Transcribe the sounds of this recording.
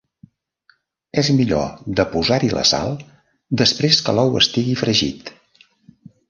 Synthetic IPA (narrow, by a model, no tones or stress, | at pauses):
ɛzmiʎo̰d̪əpuzaɾilə̰sa̰lˠ | d̪əspɾeskəlɔwə̰st̪iɣifɾəʒḭt̪